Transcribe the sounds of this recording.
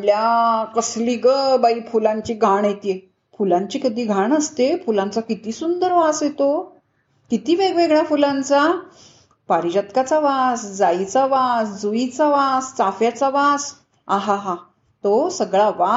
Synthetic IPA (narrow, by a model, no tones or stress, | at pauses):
ljakəsliɡəbaiːfulãɲt͡ɕiːɡʱaɳəjt̪ije | fulãɲt͡ɕiːkəd̪iːɡʱaɳəst̪efulãnt͡sakit̪iːsund̪əɾʋasjet̪o | kit̪iːʋeɡʋeɡɭjafulãnt͡sa | paɾid͡ʑat̪kat͡saʋasd͡zait͡saʋasd͡zuit͡saʋast͡safjat͡saʋas | aɦaɦa | t̪osəɡɭaʋa